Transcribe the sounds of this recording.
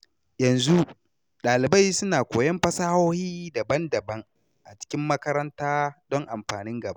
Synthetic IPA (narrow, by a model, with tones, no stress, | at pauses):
jɐ˨nzu˦ | ɗaː˨lɪ˨ba˦jsʊ˦naː˨kʷoː˨jɐ˦mɸɐ˦sa˦ha˦whiː˦dɐ˨bɐ˦ndɐ˨bɐ˦ŋ | ʔa˨t͡ʃɪ̥˦kʲɪ˦mːɐ˦kɐ˦ɾɐ˦ntaː˦dɔ˦ŋʔa˨mɸaː˨nɪ˦ŋɡɐ˨ba˦